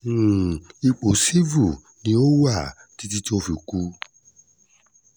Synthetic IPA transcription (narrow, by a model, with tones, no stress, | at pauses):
i˨˧k͡po˨si˦vu˦˨ | nĩ˨˦o˦wa˦˨ | ti˨˦ti˦ti˦o˧fi˨ku˦